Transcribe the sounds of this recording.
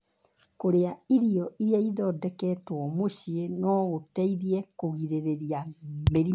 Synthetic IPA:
koɾeaiɾiɔʔiɾiaiðɔdɛkɛtwɔmoɕienɔɣotɛiðiɛkoɣiɾeɾeɾiameɾi

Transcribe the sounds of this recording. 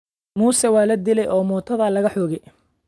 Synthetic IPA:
muːsɛwɑːlɐd̪ɪlɛjʔɔːmɔːt̪ʰɐðɐlɐɣɐħɔːɣɛj

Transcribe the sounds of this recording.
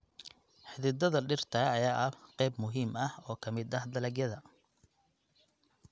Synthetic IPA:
ħɪðɪd̪ɐðɐɖɪrt̪ʰɐɐjaːʔɐqɛjbmʊɦiːmɐhɔːkʰɐmɪd̪ɐhd̪ɐlɐɡjɐðɐ

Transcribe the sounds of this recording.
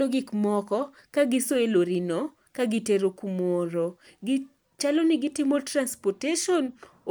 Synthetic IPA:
oɡɪkmɔkɔ | kaɡɪsoeloɾino | kaɡɪteɾokumoɾo | ɡɪ | t͡ʃalonɪɡɪtɪmotɾanspɔteʃɔn

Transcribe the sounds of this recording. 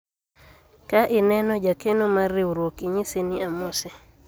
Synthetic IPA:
kaʔɪnɛnɔd͡ʒakenomarːiuɾwokɪɲiseniamɔsɛ

